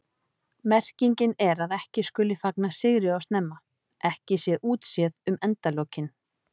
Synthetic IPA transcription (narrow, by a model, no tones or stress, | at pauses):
mɛr̥ciɲcɪnɛɾaðɛhcɪskʏːlɪfaknasɪɣɾɪawst̪nɛmːa | ʔɛhcɪsjɛʔuːt̪sjɛðʏmɛnt̪aloːwcɪn